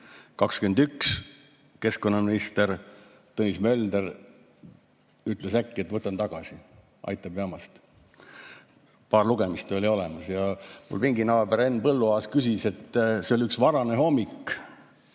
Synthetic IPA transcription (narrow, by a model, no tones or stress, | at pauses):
kɑkskyend̪yks | ke̞sko̞nːɑminist̪e̞ɾ | t̪ɤnismø̞ld̪eɾ | yt̪ˑlesækːie̞t̪ːˑvɤt̪ːˑɑnt̪ɑɡ̥ɑsi | ʔɑ̰jt̪ˑːɑb̥ɑmɑst̪ | pɑːrluɡ̥e̞mist̪o̞lʲio̞lɛmɑsjɑmṵlpiŋɡinɑwebeɾe̞nːpɤlːuɑːskysise̞t̪ːseo̞liyksvɑɾɑneɦo̞mːikː